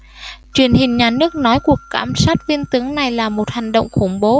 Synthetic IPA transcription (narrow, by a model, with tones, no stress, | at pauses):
t͡ɕwi˨˩ənhï˨˩ŋ̟ɲaː˨˩nɨ˦˥ək̚nɔ˨˦jku˨˩əkkːaː˧˩msa˦˥jt̚vi˧ənt̪ɨ˨˦əŋna˨˩jlaː˨˩mo˨˩t̚ha˨˩ŋ̟ɗo̰˧˨wŋ͡mxʊ˧˩ŋ͡mɓo˨˦